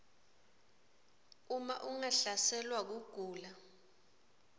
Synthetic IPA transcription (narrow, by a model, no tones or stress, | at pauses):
umaʔuŋaɬasɛlwak̬uɡ̥ʱuːla